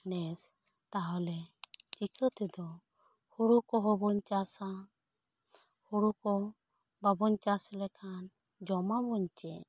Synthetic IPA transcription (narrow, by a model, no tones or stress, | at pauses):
nɛs | t̪aɦɔlɛt͡ʃikʰət̪ɛd̪ɔ | huɽukɔɦɔbɔɲt͡ʃasa | huɾukɔ | babɔɲt͡ʃaslɛkʰan | d͡ʒɔmabɔɲt͡ʃɛ